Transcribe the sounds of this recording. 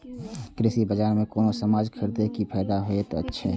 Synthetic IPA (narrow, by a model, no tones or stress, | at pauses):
kɾɪsibəd͡ʒaːɾmẽkoːnosɐmaːd͡ʒkʰɪɾd̪ekipʰɛːd̪aɦoet̪oətːʃʰḛ